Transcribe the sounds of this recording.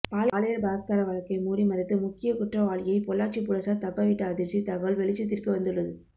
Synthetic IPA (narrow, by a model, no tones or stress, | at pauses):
paːlːlɐjɐɭbaːð̚kaːɾɐʋɐɻɐkːɐɪmuːɾimɐɾɪt̪ːɯmʊkːɪjɐkʊʈrɐʋaːɭɪjɐɪpɔɭːaːt͡ʃːipʊɻɐsat̪ɐpːɐʋɪʈːɐːðɪɾsit̪ɐɣɐʋɐɭʋɛɭɪt͡ʃːɪt̪ːɪrkɯʋɐnd̪ɯɭːɐðɯ